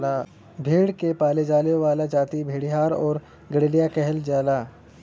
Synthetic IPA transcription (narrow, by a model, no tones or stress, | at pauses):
a | bʱeːɽkepaːled͡ʒaːljoʋaːlad͡ʒaːt̪ibʱeːɽiɦaːɾɔːɾ | ɡəɽeːɽijakɛɦəld͡ʒaːlaː